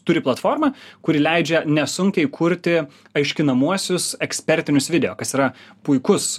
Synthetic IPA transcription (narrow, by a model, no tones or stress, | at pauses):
t̪ʊɾʲɪplˠɐt̪foːɾmɑkʊɾʲɪlʲɛɪd͡ʒʲɛnʲɛsʊŋʲkʲɛɪkʰʊɾʲt̪ʲɪ | ɐɪʃʲkʲɪnɐmuɔsʲʊsɛksʲpʲɛɾʲt̪ʲɪnʲʊsʋʲɪd̪ʲɛjoːkɐsiːɾɐpʊɪkʊs